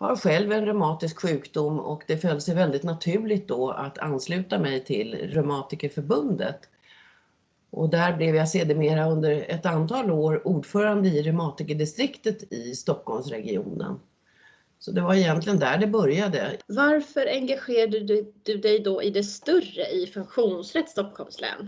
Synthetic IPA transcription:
ha̰ɾɧɛlvɛnɾœmɑːt̪ɪskɧʉ̟ːkd̪ʊmːɔ̰kd̪ɛfœld̪əsɛjvɛld̪ɪt̪nat̪ʰʉ̟ːlɪt̪̚d̪ɔa̰t̪ʰa̰nːslʉ̟ːt̪amɛjt̪ʰɪlɾœmɑːt̪ɪkəfœɾbɵnd̪ə̰t̪ | ʔɔ̰d̪æɾblɛvjaseːd̪əmeːɾaɵnd̪əɾɛt̪ant̪ʰɑːloːɾuːɖfœːɾand̪əɪɾɵmɑːt̪ɪkəɖɪst̪ɾɪkt̪ət̪ɪst̪ɔkhɔlmsɾɛɡɪṵːnə̰n | sɔd̪ɛvaɾɛjɛnt̪lɪɡənd̪æɖɛbœɾjad̪əvaɾfœɾɛŋɡaɧeːɾaɖəd̪̥ɵd̪ɛjd̪ɔʔɪd̪ɛst̪ɵrəʔɪfɵŋkɧuːnsɾɛt̪st̪ɔkhɔlmslɛ̰ːn

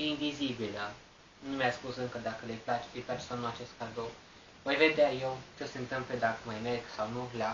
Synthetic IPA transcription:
invizibilə | numʲjaspusɨŋkəd̪akəlejplat͡ʃe̥ejplat͡ʃe̥sawnuat͡ʃe̞st̪̚kard̪ow | vo̞jve̞d̪eajewt͡ʃeseɨnt̪ɨmpled̪akəmajmerɡsawnula

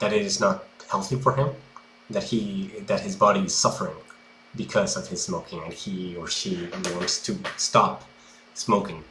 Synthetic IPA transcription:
ðɨɾɨɾɨznət̚hɛlˠθifə˞ɪ̃m | ðɨt̚hiðɨt̚hɨzbɑɾiɨz̥sʌfə˞ɪ̃ŋ | bɨkʰʌzʌv̥ɨz̥smoʊkʰɪ̃ŋɨ̃niə˞ʃiwɔ̃ntstʰɨstɑp | smoʊkɪ̃ŋ

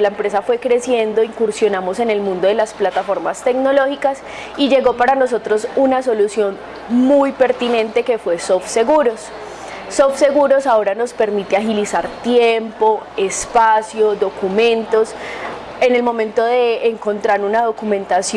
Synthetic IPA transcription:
laempɾe̞safwe̞kɾe̞sje̞nd̪o̞iŋkuɾsjo̞namo̞se̞ne̞lmũnd̪oðe̞lasplat̪afo̞ɾmast̪e̞kno̞lo̞xikas | id͡ʒe̞ɣopaɾano̞so̞t̪ɾo̞sunaso̞lusjo̞n | mujpe̞ɾt̪inẽ̞nt̪e̞ke̞fwe̞sofse̞ɣuɾo̞sː | ofse̞ɣuɾo̞sao̞ɾano̞spe̞ɾmit̪eaxilisaɾt̪jempo̞espasjo̞ðo̞kumẽ̞nt̪o̞s | ene̞lmo̞mẽ̞nt̪o̞ðe̞ːŋko̞nt̪ɾaɾunaðo̞kumẽ̞nt̪asj

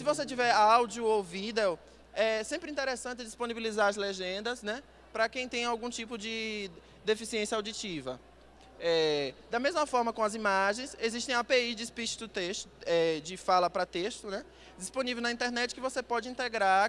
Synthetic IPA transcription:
sɪvoset͡ʃivɛɾawd͡ʒiʊovid̪ew | ɛsẽmpɾĩnt̪eɾesɐ̃nt͡ʃ̪ɪd͡ʒisponibilizaɾɐzleʒẽnd̪ɐsnɛ | pɾɐkẽj̃t̪ẽj̃ɐawɡũt͡ʃipʊd͡ʒɪ | d̪efisiẽsiɐawd͡ʒit͡ʃivɐ | ɛd̪ɐmezmɐfɔɾmɐkõɐzimaʒẽj̃seziʃt̪ẽj̃apeid͡ʒispiʃɪ̥zd̪ʊt̪eʃt̪ʊɛd͡ʒɪfalɐpɾɐt̪eʃt̪ʊnɛ | d͡ʒispõnivewnɐĩnt̪eɾnɛt͡ʃɪ̥kɪvosepɔd͡ʒɪĩnt̪eɡɾa

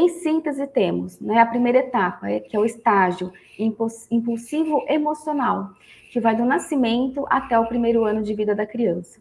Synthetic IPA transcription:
ẽj̃sĩnt̪ezɪt̪ẽmʊsnɐ̃ɛɐpɾimejɾɐet̪apɐɛkɪɛʊɪst̪aʒiʊ | ĩsĩpuwsivʊʔemosionaw | kɪvajd̪ʊnasimẽnt̪ʊʔat̪ɛʊpɾimejɾʊɐ̃nʊd͡ʒɪvid̪ɐd̪ɐkɾiɐ̃sɐ̥

